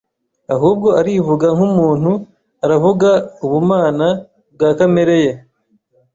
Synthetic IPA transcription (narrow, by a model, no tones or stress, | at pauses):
aɦuːb̚ɡo̞ʔaɾivuɡaŋhumuːn̥hu | aɾavuɡauβumaːna | bɡaːkameɾe̞je